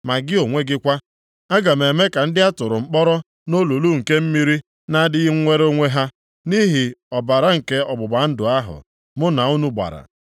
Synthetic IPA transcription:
ma˨ɡɪ˦o˨ŋʷe˦ɡɪ˦kʷa˦ | a˦ɡa˨m̩˨e˨me˦ka˨n̩˦dɪ˦a˦tʊ˨ɾʊ˨ŋ͡m̩˦k͡pɔ˦ɾɔ˦ | no˦lu˨lu˦ŋ̩˨ke˦m̩˦mi˦ɾi˦ | na˦dɪ˦ɣɪ˦ŋ̩˦ŋʷe˦ɾo˦ŋʷe˦ɦa˦ | ni˦ɦi˨ɔ˨ba˨ɾa˦ŋ̩˨ke˦ɔ˨bʊ˨ba˨˦n̩˦dʊ˨a˦ɦʊ̰˨ | mʊ˦na˨u˦nu˦ɡ͡ba̰˨ɾa̰˨

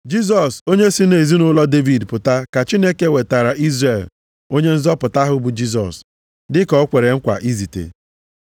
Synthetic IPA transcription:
d͡ʒi˦s̬ɔ˨so˦ɲe˦si˦ne˨zi˦nʊ˦lɔ˦de˦vi˨dpʊ˨ta˦ka˨t͡ʃi˦ne˦ke˦˨we˨ta˨ɾa˨ʔi˦zre˨l | o˦ɲe˦n̩˦zɔ˦pʊ˨ta˦ɦʊ˦bu˨d͡ʒi˦s̬ɔ̰˨s | dɪ˦kɔ˨˦kʷe˨ɾe˨ŋ̩˦kʷa̰˨ʔi˦zi˨tḛ˨

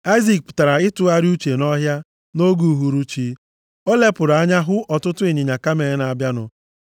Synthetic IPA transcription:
a˦ɪ˦zi˨k̚pʊ̥˨ta˨ɾa˨ɪ˦tʊ˨a˦ɾu˦t͡ʃe˨nɔ˦ɦja˦ | no˦ɡu˨ɦu˨ɾu˦t͡ʃi˨˦ | o˦le˦pʊ˨ɾa˦ɲa˦ɦʊ˦ʔɔ˨tʊ˦tʊ˦ɪ˨ɲi˨ɲa˨ka˦me˨ɪ˦na˨a˨bja˦nʊ̰˨

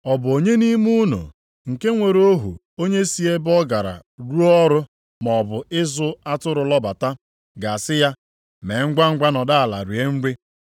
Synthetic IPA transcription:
ɔ˨bʊ˨o˨ɲe˦ni˦mu˦no̰˨ | ŋ̩˨ke˦ŋʷe˨ɾo˦ɦṵ˨ | o˦ɲe˦si˦e˦bɔ˦ɡa˨ɾa̰˨ɾu˦ɔ˦ɾʊ˦ | mɔ˨bʊ˨ɪ˦zʊ˦a˦tʊ˦ɾʊ˨lɔ˦ba˨ta˦ | ɡa˨sɪ˦ja˦ | me˨˦ŋ̩˦ɡ͡bʷa˦ŋ̩˦ɡ͡bʷa˦nɔ˨da˦a˨la̰˨ɾi˨e˦ŋ̩˦ɡ͡bi˦

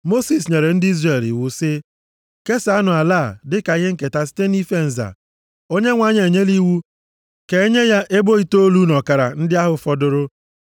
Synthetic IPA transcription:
mo˦si˨s̬ɲe˨ɾe˨n̩˦dɪ˦i˦zre˨lḭ˨wʊ˨sɪ˦ | ke˦sa˦nʊ˨a˨laː˦˨dɪ˦ka˨˦ɦe˦ŋ̩˦ke˨ta˦si̥˦te˦ni˦fe˦n̩˨za̰˨ | o˦ɲe˦ŋʷa˨ɲe˨ɲe˦li˦wu˦ | ke˨e˦ɲe˦ja˦ʔe˦bo˦i˦to˦lu˦nɔ˨ka˨ɾa̰˨n̩˦dɪ˦a˦ɦʊ˨fɔ˨dʊ˨ɾʊ˦

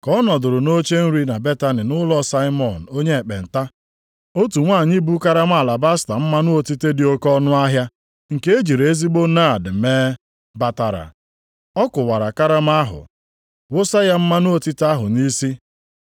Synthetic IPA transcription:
kɔ˦nɔ˨dʊ˨ɾʊ˨no˦t͡ʃe˦n̩˦ɾi˦na˨be˦ta˦nɪ˨nʊ˦lɔ˦sa˦ɪ˦mɔ˨n̩˨o˦ɲe˦e˨k͡pe˨n̩˨ta˦ | o˦tu˨ŋʷa˦˨ɲi˦bu˦ka˦ɾa˦m˦a˨la˨ba˦sta˨m̩˦ma˦nʊ˦o˦ti˦te˦dɪ˨o˦kɔ˦nʊ˦a˦ɦja˦ | ŋ̩˨ke˦e˦d͡ʒi˨ɾe˨e˦zi˦ɡ͡bo˦na˦˨dɪ˨meː˦ | ba˦ta˨ɾa̰˨ | ɔ˦kʊ˨wa˨ɾa˨ka˦ɾa˦m˦a˦ɦʊ̰˨ | wʊ˦sa˦ja˦m̩˦ma˦nʊ˦o˦˨ti˦ta˦ɦʊ˨ni˦si˦

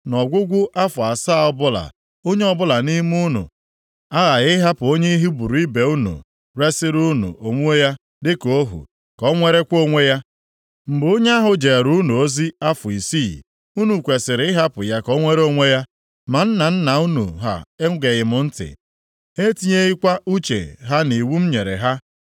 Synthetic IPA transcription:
nɔ˨ɡʷʊ˦ɡʷʊ˦ʔa˦fʊ˨a˨sa˦˨˦ɔ˦bʊ˦la̰˨ | o˦ɲe˦ɔ˦bʊ˦la˨ni˦m˦u˦nʊ̰˨ | a˦ɣa˨ɣɪ˦ɦa˦pʊ˨o˦ɲe˦i˦ɦi˦bu˨ɾu˨ɪ˦be˨u˦nṵ˨ | ɾe˦sɪ˦ɾu˦nṵ˨ʔo˨ŋʷu˦o˦ja˦ | dɪ˦ko˦ɦṵ˨ | kɔ˦ŋʷe˦ɾe˦kʷo˦ŋʷe˦ja˦ | m̩˨bo˦ɲe˦a˦ɦʊ˨d͡ʒe˨ɾu˦nu˨o˦zi˦a˦fʊ˨i˨si˦˨ | u˦nu˨kʷe˨sɪ˨ɾɪ˦ɪ˦ɦa˦pʊ˨ja˦kɔ˦ŋʷe˦ɾe˦o˦ŋʷe˦ja˦ | ma˨n̩˦na˨n̩˦na˨u˦nṵ˨ɦa̰˨e˦ɡe˨ɣɪ˨mʊ˨n̩˦tɪ̰˨ | e˦ti˦ɲe˦ɣɪ˦kʷa˦ʔu˦t͡ʃḛ˨ɦa˦ni˨wu˦m̩˦ɲe˨ɾḛ˨ɦa˦

